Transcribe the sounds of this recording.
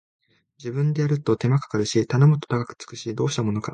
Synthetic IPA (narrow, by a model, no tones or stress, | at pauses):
d͡ʑibɯ̟̃nd̪e̞jaɾɯ̟t̪o̞t̪e̞makḁkaɾɯ̟ɕit̪anomo̞t̪ːot̪akakɯ̟̥t͡sɨ̥kɯ̟ɕid̪o̞ːɕi̥t̪amo̞no̞ka̰